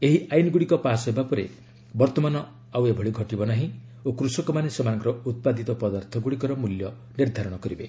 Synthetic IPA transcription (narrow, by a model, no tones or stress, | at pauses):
eɦiʔajnɔɡuɽikɔpasɔjbapɔɾḛ | bɔɾt̪ɔmanɔ | awebʱɔɽiɡʱɔʈibɔnaɦĩ | okɾusɔkɔmanesemanɔ̃ŋkɔɾɔut̪̚pad̪it̪ɔpɔd̪aɾt̪ʰɔɡuɽikɔɾɔmuljɔ | niɾd̪ʱaɾɔɽ̃ɔkɔɾibe